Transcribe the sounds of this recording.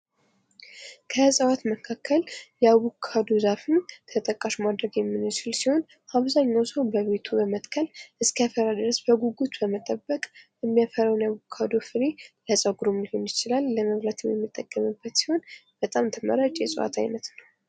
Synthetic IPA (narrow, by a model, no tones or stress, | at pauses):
kʰəsʼəwat̪məkʰakʰːəljɛawukʰːad̪ozafɨmt̪ʰət̪ʼəkʼːaʃumad̪ɾəɡjɛmːɨnɨt͡ʃɪlsiho̞n | ʔaβzaɲːawsəwbəβe̞t̪ʰubəmət̪ʼkʰəlʔɨskʰəafəɾad̪ɨɾəsbəɡuɡut̪bəmət̪ʼəbːəkʼjɛmːijafəɾawnjaβukʰːad̪ofɨɾeləsʼəwɡɾomɨhonjɪt͡ʃɪlalːəməβɾat̪ʰɨɛmjɛ̰mːɨt̪ʼːəkʼːəmɨbːət̪si̥ho̞nb̥ət̪ʼamt̪ʰəmə̰ɾat͡ʃʼjɛsʼəwa̰t̪ʰa̰jnət̪nəw